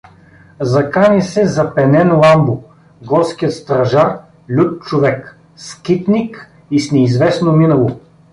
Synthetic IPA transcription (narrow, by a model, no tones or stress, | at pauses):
zɐkanisɛzɐpɛnɛnlˠambʊ | ɡɔɾskiət̪st̪ɾɐʒaɾ | lʲut̪̚t͡ʃovɛk | skit̪nik | isnɛizvɛsnominəlˠo